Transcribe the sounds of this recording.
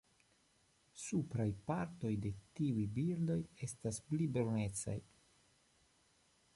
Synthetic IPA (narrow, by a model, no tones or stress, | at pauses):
supɾajpaɾto̞jde̞tiujbiɾdo̞je̞stasplibone̞t͡sa̰j